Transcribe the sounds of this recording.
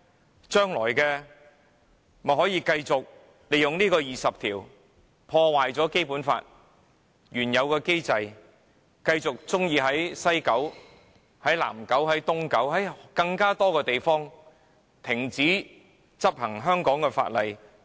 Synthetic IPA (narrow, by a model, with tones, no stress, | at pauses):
t͡ʃœː˥ŋlɔː˨˩jkɛː˧ | m˨ɦɔː˨˥jiː˧kɐ˧jt͡sʊ˨k̚ | le˨jʊ˨ŋniː˥kɔː˧jiː˨˩sɐ˨p̚t̪ʰiː˨˩w | pʰɔː˧waː˨jt͡sɔː˨˥ke˥jpuː˨˥nfa̰ː˧t̚ | jyː˨˩njɐ˨˧wkɛː˧ke˥jt͡sɐ˧j | kɐ˧jt͡sʊ˨k̚t͡sʊ˥ŋjiː˧ɦɐ˨˥jsɐ˥jkɐ˨˥w | hɐ˨˥jla̰ː˨˩mkɐ˨˥whɐ˨˥jt̪ʊ˥ŋkɐ˨˥whɐ˨˥jkɐ˧ŋkaː˥t̪ɔː˥kɛː˧t̪e˨jfɔː˥ŋ | t̪ʰɪ˨˩ŋt͡siː˨˥ | t͡sɐ˥p̚hɐ˨˩ŋɦœː˥ŋkɔː˨˥ŋkɛː˧fa̰ː˧t̚lɐ˨j